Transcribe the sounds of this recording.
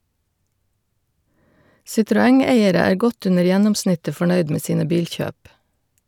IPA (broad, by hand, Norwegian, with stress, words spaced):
sɪtɾʊˈɛŋˌeɪəɾə ˈæːɾ ˈɡɔt ˈʉnəɾ ˈjænɔmˌsnɪtə fɔˈɳœʏd ˈmeː ˈsiːnə ˈbiːlˌçøːp